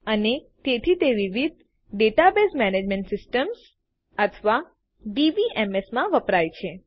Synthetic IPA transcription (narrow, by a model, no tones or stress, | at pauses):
ənet̪et̪ʰit̪eʋiʋid̪̚ | ɖeʈabesmɛned͡ʒmeɳʈsɪsʈəms | ət̪ʰʋa | ɖiʋiʔɛmesmãʋəpɾajt͡ʃʰe